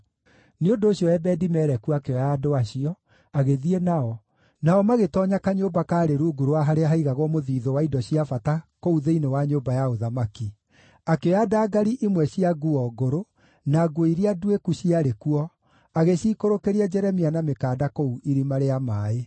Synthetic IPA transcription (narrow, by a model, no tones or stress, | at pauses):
neondoːɕjɔɛbɛdimɛːɾɛkuakeɔjaːdoaɕiɔ | aɣeðienaɔ | naɔmaɣetɔɲakaɲoːbakaːɾeɾuːɡuɾoaɦaɾeaɦaiɣaɣwɔmoðiːðɔwaidɔɕiafatakouðeinewaɲoːbajaoðamaki | akeɔjadaːɡaɾiʔimwɛɕiaɡuɔɡoɾo | naːɡwoiɾiaduekuɕiaɾekuɔ | aɣeɕiːkoɾokeɾiad͡ʒɛɾɛmianamekaːdakouʔiɾimaɾeamaːe